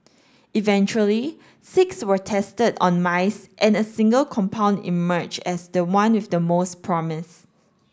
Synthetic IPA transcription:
ivɛ̃nt͡ʃuəli | sɪkswətʰɛstədɔ̰̃nmaɪsʔɛ̃nəsĩŋɡəlkʰɔ̃mpʰãʊ̃ndḭmɜd͡ʒɛsdəwãnwɪfdəmospʰɹɔmɪs

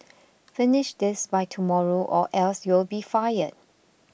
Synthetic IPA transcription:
fɪnɪʃdɪsbaɪtʰumɔɹoʔɔ̰ʔɛlsjɪlbifajəd̚

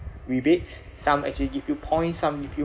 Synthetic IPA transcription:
ɹibetsː | ãmɛ̰k̚t͡ʃuliɡivjupʰɔ̃ɪ̃nsãmɡifju

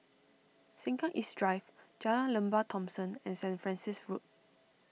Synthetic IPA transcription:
sɛ̃ŋkãʔisdɹajvd͡ʒalãlə̃mbatʰɔ̃msə̃nɛ̃nsɛ̃nfɹɛ̃nsisɹut̚

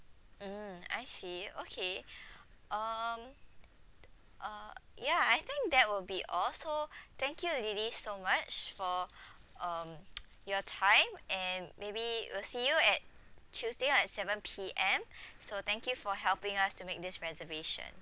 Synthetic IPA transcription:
m̩a̰ɪsiokʰe | ʔʌm | ʔʌjaajt̪ɪ̃ŋk̚d̪ɛt̚wɪlbiʔɔlsot̪ɛ̃ŋkjulidisomat͡ʃfɔ | ʌ̃m | jɔtʰãɪ̃mʔɛ̃nmebiwḭlsijuɛt̚t͡ʃʰusdeɛtsɛvə̃npʰiʔɛ̃msot̪ɛ̃ŋkjufɔɦɛlpɪ̃ŋastumek̚d̪ɪsɹɛzəveʃə̰̃n

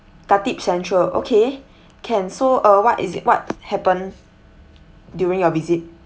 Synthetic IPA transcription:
katip̚sɛ̃ntɹəʔo̰kʰe | kʰɛ̃nsoəwɔtḭzḭt̚wɔt̚hɛpə̃n | djuɹĩŋjɔvizit̚

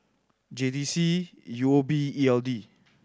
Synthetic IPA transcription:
d͡ʒedisijuobiiɛldi

